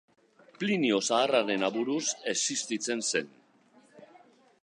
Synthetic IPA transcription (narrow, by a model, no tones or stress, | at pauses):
plinio̞saːraɾe̞naβuɾuse̞sist̪it͡se̞nse̞n